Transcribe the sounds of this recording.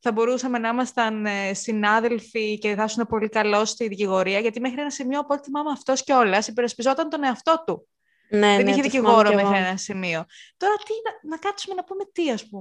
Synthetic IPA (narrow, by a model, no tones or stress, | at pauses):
θɐbo̞ɾusɐme̞nɐimɐst̪ɐnsinɐðe̞lficeθɐsune̞po̞likɐlo̞st̪iðiciɣo̞ɾiɐʝɐt̪ime̞xɾie̞nɐsimio̞ɐpot̪eimɐmɐft̪o̞sceo̞lɐsipeɾɐspizo̞t̪ɐnt̪o̞ne̞ɐft̪o̞t̪u | neðeniçeðiciɣo̞ɾome̞xɾienɐsimiot̪o̞ɾɐt̪inɐnɐkɐtsume̞nɐpume̞t̪iɐspume